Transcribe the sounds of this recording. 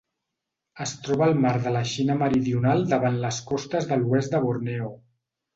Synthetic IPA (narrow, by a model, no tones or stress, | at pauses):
əst̪ɾɔβəːlˠmaɾðələʃinəməɾiðiunalˠd̪əβanləskɔst̪əzðəluɛzd̪əβuɾnɛo